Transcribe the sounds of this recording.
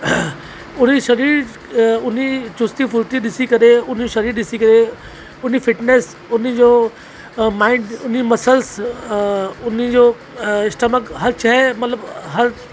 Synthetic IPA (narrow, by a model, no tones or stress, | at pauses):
ʊniʃɐɾiːɾ | ʊnit͡ʃʊst̪ipʊɾt̪iɗ̪ɪsikɐɾeʊn̤iʃɐɾiːɾd̪ɪsikəɾe | ʊn̤ifɪʈneːs | ʊnid͡ʒoː | mãːɪɳɖʊnimɐsəls | ʊnid͡ʒo | ɪsʈ̪əməkɦɐɾt͡ʃʰaɦɛmɐt̪ləbɦɐɾ